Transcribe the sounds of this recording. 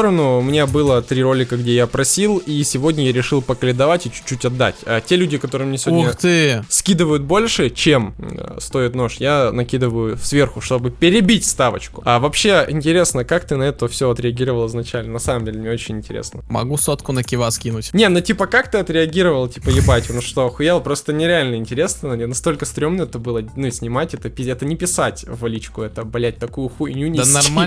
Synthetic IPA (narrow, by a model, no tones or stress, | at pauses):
t̪oɾənʊmnʲebɨlˠət̪ɾʲiɾo̞lʲɪkəɡdʲejapɾɐsʲilˠisʲɪvo̞dʲnʲəjaɾʲɪʂɨlˠpəkəlʲɪnd̪ɐvatʲɪt͡ɕʊ̥t͡ɕːutʲɐd̪ːa̰tʲatʲelʲʉdʲɪkɐt̪o̞ɾɨmnʲesʲɪvodnnʲət̪ɨskʲid̪ɨvəjʊt̪̚bo̞lʲʂɨt͡ɕemst̪o̞ɪt̪no̞ʂjanɐkʲid̪ɨvəjʊfsvʲe̞rxʊʂt̪o̞bɨpʲɪɾʲɪbʲitʲst̪avə̰t͡ɕkʊ̥avɐpɕːe̞ɪnʲtʲɪɾʲe̞snəkakt̪ɨnɐɛt̪əfsʲoɐt̪ɾʲɪɐɡʲiɾəvəlˠɪznɐt͡ɕælʲnənɐsaməmdʲelʲɪmnʲeot͡ɕɪnʲɪnʲtʲɪɾʲḛsnəmɐ̰ɡusot̪kʊnəkʲɪvaskʲinʊtʲnʲenotʲipəkakt̪ɨɐt̪ɾʲɪɐɡʲiɾəvəlˠtʲi̥pəjɪbatʲʊnəʂt̪oxʊjelˠpɾo̞st̪ənʲɪɾʲɪalʲnəɪnʲtʲɪɾʲe̞snənɐst̪o̞lʲkəst̪ɾʲo̞mnəɛt̪əbɨlˠənuɪsʲnʲɪmatʲɛt̪əpʲɪɛt̪ənʲɪpʲɪsatʲvɐlʲit͡ɕkʊɛt̪əbɐlʲæt̚ʲt̪ɐkujʊxuɪnʲunʲnɐr